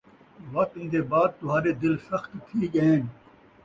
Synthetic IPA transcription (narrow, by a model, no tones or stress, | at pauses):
ʋɐkt̪ɪ̃nd̪eːbaːd̪̚t̪ʊɦaːɾeːd̪ɪlsɐxt̪t̪ʰiːɡɐẽːn